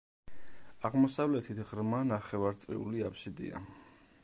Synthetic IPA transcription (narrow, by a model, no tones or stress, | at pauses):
aʁmɔsavlɛt̪ʰit̪ʰʁɾmanaχɛvaɾt̪sʼɾḭuliapʰsid̪ḭa̰